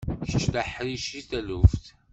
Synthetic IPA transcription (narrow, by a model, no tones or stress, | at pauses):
çə̥t͡ʃːd̪aħɾiʃiθælufθ